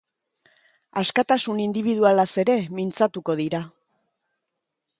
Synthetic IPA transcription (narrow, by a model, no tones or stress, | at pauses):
askat̪asunind̪iβ̞ið̞ualase̞ɾe̞mint͡sat̪uko̞ð̞iɾa